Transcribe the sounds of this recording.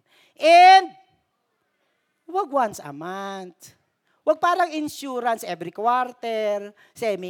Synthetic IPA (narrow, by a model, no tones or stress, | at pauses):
ʔɛnd̪̚ | waɡ̚wansa̰mant̪ | wɐɡ̚paːɾaŋɪnʃuɾansʔɛvɾikwaɾt̪ɛɾ | sɛmi